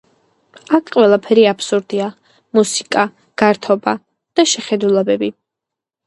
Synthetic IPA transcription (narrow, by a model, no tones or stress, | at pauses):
akʰqʼwɛlˠapʰɛɾiapʰsuɾd̪ia | musi̥kʼa | ɡ̥aɾt̪ʰɔba | d̪̥aʃɛχɛd̪ulˠɛbɛbi